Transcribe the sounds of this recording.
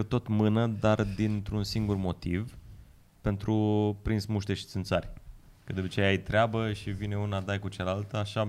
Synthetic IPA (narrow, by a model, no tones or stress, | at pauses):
ət̪ot̪mɨnəd̪ard̪int̪ɾunsiŋɡurmo̞t̪iv | pe̞nt̪ɾupɾinsmuʃt̪eʃi̥t̪sɨnt̪sarʲ | kəd̪upət͡ʃejajt̪ɾeabəʃivine̞unad̪ajkut͡ʃalalt̪əaʃa